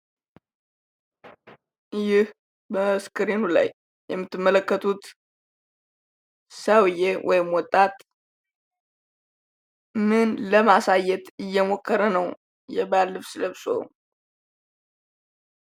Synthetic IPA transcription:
jɪh | bəskʰɨɾinula̰jː | ɛmːɨt̪ːɨmːələkːət̪ʰut̪ | səwjewʔɔ̰jɪmwɔt̪ʼːat̪ʼ | mɨnləmasajːɛt̪ɨjːɛmokːəɾənəw | jɛbalːɨβsɨləβsoo̰

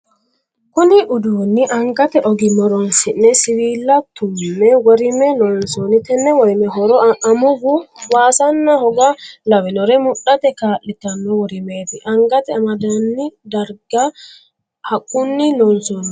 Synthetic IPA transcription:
kʊnɪʔʊd̪uːnːɪʔɐŋɡɐt̪ɛʔɔɡɪmɔɾɔnsɪnːɛsɪwiːlːɐt̪ːʊmːɛwɔɾɪmɛnɔnsonɪt̪ɛnːɛwɔjmɛɦɔɾɔʔɐmʊɡʊwaːsɐnːɐhɔɡɐlɐwɛnɔɾɛmʊɗɐt̪ɛkaːʔɪt̪ɐnːɔwɔɾɪmeːt̪ɪʔɐŋɡɐt̪ɛɐmɐd̪ɐnːɪd̪ɐɾɡɐ | hɐkʼːʊnːɪnɔnsɔːn

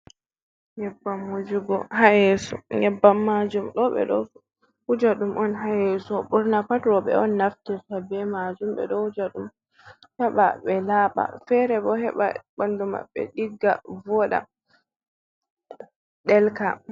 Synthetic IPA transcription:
ɲɛbːamːud͡ʒuɡɔhajɛsɔɲɛbːamːad͡ʒumɗɔɓɛ̰ɗɔ̰ | hud͡ʒaɗumʔɔnɦajɛsɔɓuɾnapatɾɔɓɛ̰ɔnːaftɛsabɛmad͡ʒumɓɛ̰ɗɔhud͡ʒaɗum | hɛɓa̰ɓɛlaɓa̰fɛɾɛbɔhɛɓa̰banduma̰ɓɛ̰ɗiɡːa̰vɔɗa̰ | ɗɛlka

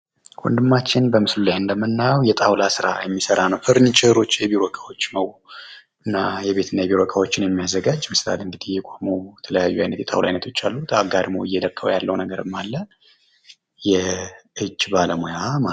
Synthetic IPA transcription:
kʰʷʼṵnd̪ɨmːat͡ʃːɪnbəmɨslulajɨnd̪əmːɨnːajwjɛt̪ʼawlasɨɾa̰jɛmːisəɾanəwfʰɨɾnit͡ʃʰɨhɨɾo̞t͡ʃːjɛbiɾokʰʼawot͡ʃːnəw | ʔɨnːajɛβe̞t̪ʰɨnːajɛβiɾokʰʼawo̞t͡ʃːɪnjɛmːijazːəɡad͡ʒːmɨsla̰lɨnɡ̪ɨd̪ijɛkʼomojɛt̪ʰələjajːuajnət̪jɛt̪ʼawla̰jnət̪ʰot͡ʃːalːut̪ʰaɡad̪mowɨ̰jːɛd̪əkʰːəwjalːəwnəɡəɾɨmːalːə | jɛʔɨd͡ʒbaləmojama

